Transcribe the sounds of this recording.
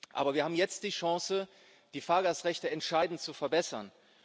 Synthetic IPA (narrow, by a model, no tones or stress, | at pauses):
ʔa̰ːbɐviːɐhaːbm̩jɛt͡std̥iːʃɑ̃sə | d̥iːfaːɐɡaːsʁɛçtəɛntʃaɪdn̩tt͡sufɛɐbɛsɐn